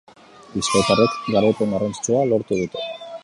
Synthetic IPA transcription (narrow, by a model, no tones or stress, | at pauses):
iskot̪arekɡaɾape̞ŋɡarant͡st͡sualo̞ɾt̪uð̞it̪u